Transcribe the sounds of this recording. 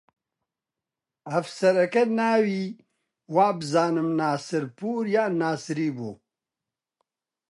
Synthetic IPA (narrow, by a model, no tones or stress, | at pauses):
ɐfsɐɾɐkɐnaːwiː | waːbɨzaːnɨmnaːsɨɾpuːɾjaːnaːsɨɾiːbuː